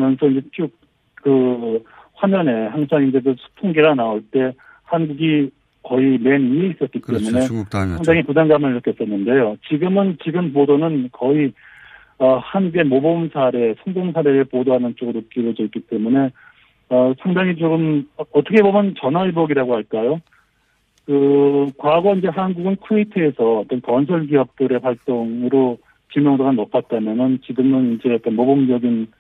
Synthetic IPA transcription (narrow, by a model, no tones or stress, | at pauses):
mjʌnsʰʌind͡ʑe̞kʰuk̚ | kɯ | ɸwamʌne̞haŋsʰaŋind͡ʑe̞kɯsʰu̥tʰoŋɡiɡanaoɭt͈e̞ | hanɡuɡi | kʌime̞nieis͈ʌt̚k͈itt͈e̞mune̞sʰaŋdaŋipudaŋɡamɯɭɾʌkʰes͈ʌnːɯnde̞jot͡ɕiɡɯmɯnt͡ɕiɡɯmp̬odonɯnkʌi | ʌhanɡuɡe̞mobomsʰaɾe̞sʰʌŋdoŋsʰaɾe̞ɾɯpodoɦanɯnt͡ɕ͈oɡɯnop̚k͈iɾod͡ʑʌk͈it͈e̞mune̞ | ʌsʰaŋdaŋit͡ɕoɡɯmʌtʰʌkʰe̞bomjʌnt͡ɕʌnɦaibʌɡiɾaɡohaɭk͈ajo | kɯkwaɡʌind͡ʑe̞ɦanɡuɡɯnkʰuitʰɯe̞sʰʌʌt͈ʌnkʌns̬ʰʌɭɡiɦʌp̚t͈ɯɾe̞ɸʰaɭt͈oŋɯɾo | t͡ɕimjʌŋsʰaɡanʌp͈at̚t͈amjʌnɯnt͡ɕiɡɯmɯnind͡ʑe̞ʌt͈ʌnmobomd͡ʑʌɡin